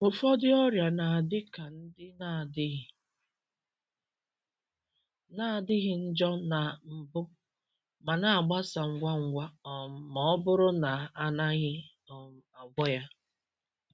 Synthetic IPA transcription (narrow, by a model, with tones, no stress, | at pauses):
ʊ˨fɔ˦dɪ˦ɔ˦ɾja˨na˨a˨dɪ˦ka˨n̩˦dɪ˦na˨a˨dɪ˦ɣɪ˨ | na˦a˨dɪ˦ɣɪ˨n̩˦d͡ʒɔ˦na˨m̩˨bʊ˦ | ma˨na˨a˨ɡ͡ba˦sa˨ŋ̩˦ɡʷa˦ŋ̩˦ɡʷa˦ɔ˨mɔ˦ɔ˦bʊ˦ɾʊ˦na˨a˨na˦ɣɪ˦ | ɔ˨a˨ɡʷɔ˦ja˦